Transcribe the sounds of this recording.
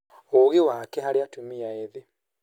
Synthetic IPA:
oɣewakɛɦaɾeatumiaeðe

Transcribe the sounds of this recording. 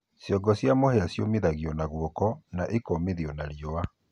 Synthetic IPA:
sjɔɡɔsjamohɛasjomeðaɣiɔnaɣwɔkɔnaʔekɔmeðiɔnaɾiɔa

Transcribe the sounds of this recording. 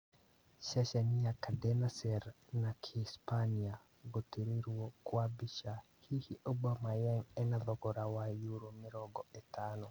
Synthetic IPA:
ʃaʃɛnijakadɛnasɛɾnakʰispania | ɡotiɾiɾuwokwabiʃa | hihiʔobamajɛŋɛnaðɔkɔɾawajuɾomɪɾɔɡɔɛtʰanɔ

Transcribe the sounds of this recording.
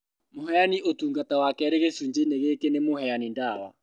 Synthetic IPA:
moɦɛaniʔotuːŋɡatawakɛɾeɣesuːɲd͡ʑeneɣekenemohɛanindawa̰

